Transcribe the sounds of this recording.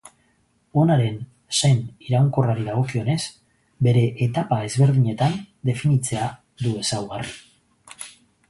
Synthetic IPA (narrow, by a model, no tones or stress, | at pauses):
o̞naɾe̞n | sejniɾawŋko̞raɾiðaɣ̞o̞kio̞ne̞s | be̞ɾe̞ʔːt̪apae̞zβe̞ɾðiɲe̞t̪and̪e̞finit͡se̞a | ðue̞sawɣari